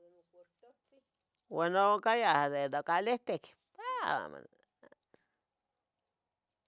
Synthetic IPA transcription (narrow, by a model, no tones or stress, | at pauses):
wanokajahd̪enokaleht̪ek | paa̰ma̰n